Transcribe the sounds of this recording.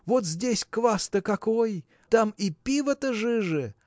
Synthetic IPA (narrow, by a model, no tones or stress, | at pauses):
vot̪zʲdʲesʲkvast̪əkɐkoj | t̪amipʲivət̪əʐɨʐɨ